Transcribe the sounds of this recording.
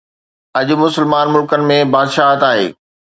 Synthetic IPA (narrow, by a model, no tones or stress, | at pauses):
ɐʄʊ̆mʊsəlmaːnmʊlkənɪ̆mẽbaːd̪ʃaːɦt̪aːɦḛː